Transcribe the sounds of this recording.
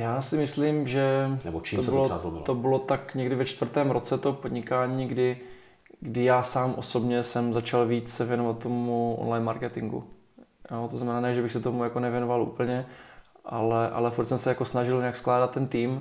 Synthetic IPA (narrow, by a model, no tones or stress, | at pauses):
jaːsɪmɪsliːmʒɛnɛbot͡ʃiosbɪloazlobɪ̰lt̪obɪlo̞t̪akɲɛɡdɪvɛt͡ʃt̪vr̩t̪ɛːmɾo̞t͡sɛt̪opodɲɪkaːɲiːɡdɪ | ɡdɪjaːsaːmʔo̞̰so̞bɲɛsɛmzat͡ʃalviːt͡ssɛvjɛnovat̪̚tːomuʔo̰nlajnmaɾkɛt̪ɪŋɡṵ | jot̪oznamɛnaːnɛːʒɛbɪxsɛt̪omujakonɛvjɛnovalʔṵːpl̩ɲɛ | ʔalɛʔa̰lɛfuɾt̪sɛmsɛjako̞snaʒɪlɲɛaksklaːdat̪ːɛnt̪iːm